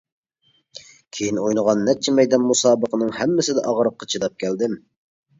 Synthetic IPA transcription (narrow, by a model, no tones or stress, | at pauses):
kʲʰejinojnəʁɑnːɛt͡ʃʰɛmɛjd̪ɛnmusɑːbəqənɨŋhɛmːɪsɪd̪ɛ̰ʔɑʁəɾəqːɑt͡ʃʰid̪ɑp̚kʲʰæld̪ɪm